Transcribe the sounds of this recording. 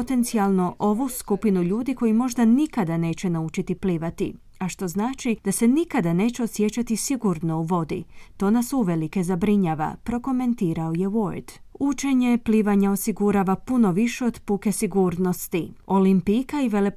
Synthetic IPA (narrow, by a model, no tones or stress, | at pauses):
t̪e̞nt̪sialˠno̞ʔo̞ʋuskupinuʎuːd̪iko̞jimo̞ʒd̪anikad̪ane̞ːt͡ɕe̞naut͡ʃit̪ipliːʋat̪ḭ | aʃt̪o̞znaːt͡ʃid̪̥ase̞nikad̪ane̞ːt͡ɕeosje̞t͡ɕat̪isiɡuɾno̞uʋo̞d̪ḭt̪o̞ːnasuuʋe̞like̞zabɾiɲaːʋa̰pɾo̞ko̞me̞nt̪iːɾao̞je̞woɾd̪̥ | ut͡ʃe̞ɲe̞pliːʋaɲao̞siɡuɾaːʋapuno̞ʋiʃe̞o̞d̪puke̞siɡuːɾno̞st̪io̞limpikaiʋe̞le